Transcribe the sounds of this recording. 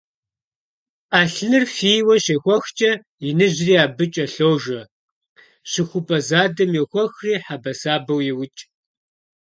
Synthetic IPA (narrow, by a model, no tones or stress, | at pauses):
ʔaːɬnɨrfijwɐɕeːxʷɔxt͡ʃʼɐ | ɪnɨʑriːaːbɨt͡ʃʼɐɬoːʒɐ | ɕɪxʷʊpʼɐzaːdɐmjɛxʷɔxriːħabɐsaːbɐwjɛwʊt͡ʃʼ